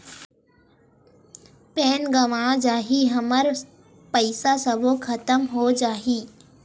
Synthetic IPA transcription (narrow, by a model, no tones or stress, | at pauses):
pɛːnɡɐʋad͡ʒaːɦiɦɐməɾ | pɐɪsasəbokʰɐt̪əmɦod͡ʒaːɦiː